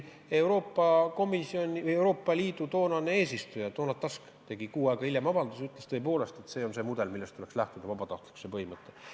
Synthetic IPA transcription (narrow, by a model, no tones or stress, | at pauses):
e̞uɾo̞ːpˑːɑko̞misio̞nʲiewɾo̞ːpːˑɑliːd̪ut̪o̞ːnɑne̞e̞ːsist̪ujɑt̪onɑt̪ːɑsk | t̪e̞ɡ̥ikuːɑeɡ̥ɑiljemɑvɑnd̪̥usyt̪ˑlest̪ɤ̞epo̞ːle̞st̪e̞t̪ːse̞ːo̞nse̞ːmud̪̥e̞lmilːest̪ule̞kslæht̪ud̪ɑvɑbɑt̪ɑht̪liku̥sepɤɦhimɤt̪ˑːe̞